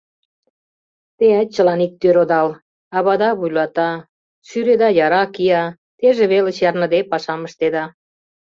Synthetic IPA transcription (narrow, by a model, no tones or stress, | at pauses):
t̪eæt̪̚t͡ɕəlɑnik̚t̪øɾod̪ɑl | ɑβɑd̪ɑβujlɑt̪ɑ | ʃyɾed̪ɑjɑɾɑkijɑ | t̪eʒĕβelĕt͡ɕɑrnə̆d̪epɑʃɑmə̆ʃt̪ed̪ɑ